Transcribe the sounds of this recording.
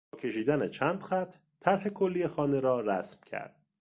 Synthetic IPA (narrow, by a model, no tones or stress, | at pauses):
cʰe̞ʃiːd̪ænet͡ʃʰæːnd̪̥xæt̪ʰ | tʰːæɾhe̞kʰo̞lːijexɒːne̞ɾɒːɾæ̰smcʰæ̰ɾd̪̥̚